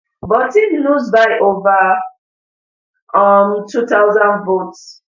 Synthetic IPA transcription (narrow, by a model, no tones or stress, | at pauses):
bɔtinuzbajʔova | ɔmtʰutawzãndvots